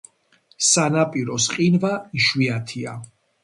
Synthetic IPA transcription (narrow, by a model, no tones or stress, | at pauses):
sanapʼiɾɔsqʼinvaiʃwiat̪ʰia